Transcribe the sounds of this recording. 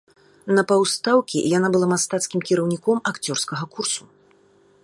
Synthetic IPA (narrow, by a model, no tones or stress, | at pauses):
nɐpawst̪awkʲḭjanabɨlˠamast̪at̪skʲimkʲiɾɐwnʲikɔmakt͡sʲɔrskɐɣɐkursu